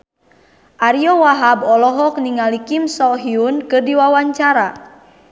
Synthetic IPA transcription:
ʔaɾiɔwaɦabɔlɔɦɔk̚niŋalikimsɔɦiunkɨrdiwawaɲt͡ʃaɾa

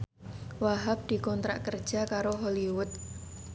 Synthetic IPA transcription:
waɦap̚d̪̥i̤kɔnt̪ɾa̰ʔkərd̥ʒ̥a̤kaɾoɦoliwʊt̪̚

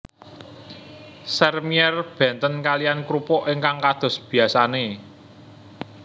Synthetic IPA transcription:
sɛrmiɛrb̥ɛ̤nt̪ənkalijankɾupɔʔeŋkaŋkad̪̥ɔ̤sb̥i̤asane

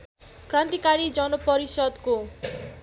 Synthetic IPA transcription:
kɾant̪ikaɾid͡zʌnopʌɾisɔd̪ko

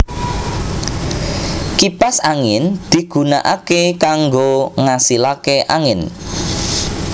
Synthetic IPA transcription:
kipasaŋɪnd̪̥i̤ɡ̥ṳna̰ʔakekaŋɡoŋasilakeʔaŋɪn

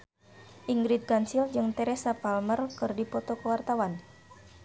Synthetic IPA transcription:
ʔiŋɡɾit̪̚ɡansild͡ʒɨŋt̪ɛɾɛsapalmərkɨrdipɔt̪ɔkəwart̪awan

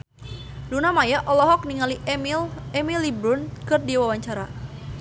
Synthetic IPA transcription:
dunamajaʔɔlɔɦɔk̚niŋali | ɛmilibɾʊnkɨrdiwawaɲt͡ʃaɾa

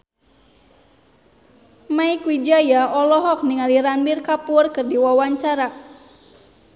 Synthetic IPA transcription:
maikwid͡ʒajaɔlɔɦɔk̚niŋaliɾanbirkapʊrkɨrdiwawaɲt͡ʃaɾa

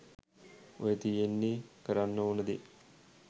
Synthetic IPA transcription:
ojət̪ijenːikəɾanːəunəd̪i

